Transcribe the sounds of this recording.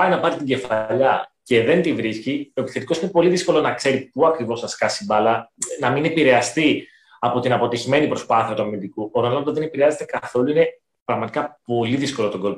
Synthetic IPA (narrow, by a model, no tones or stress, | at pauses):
pɐjnɐpɐɾit̪iɟe̞fɐʎɐce̞ðe̞nt̪ivɾiscio̞e̞pi̥sθe̞t̪i̥koinepo̞liðisko̞lo̞nɐkse̞ɾipuɐkɾivo̞sɐskɐsibɐlɐnɐminepiɾe̞ɐst̪i | ɐpo̞t̪inɐpo̞t̪içime̞nipɾo̞spɐθiɐt̪uɐmind̪ikuʔoɾɐlod̪ɐðe̞ne̞piɾeɐze̞t̪e̞kɐθo̞luine̞ | pɾɐɣmɐt̪i̥kɐpo̞liðisko̞lo̞t̪o̞ɡo̞l